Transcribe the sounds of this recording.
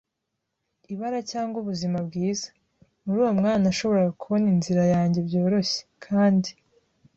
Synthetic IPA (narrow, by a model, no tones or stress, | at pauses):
iβaɾacaːŋɡuβuzimabɡiːzḁ | muɾuːwomŋaːnaʃo̞βo̞ɾaɡakuβo̞ninziɾajaːɲɟe̞bɟo̞ːɾo̞ɕe̥kʰaːndi